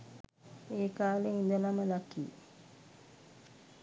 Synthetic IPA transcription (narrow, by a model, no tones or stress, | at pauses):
eːkaːleind̪ənaməlakḭː